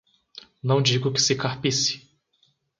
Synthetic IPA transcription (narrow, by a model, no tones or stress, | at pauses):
nɐ̃w̃d͡ʒiɡʊkɪ̥sɪkaɾpisɪ̥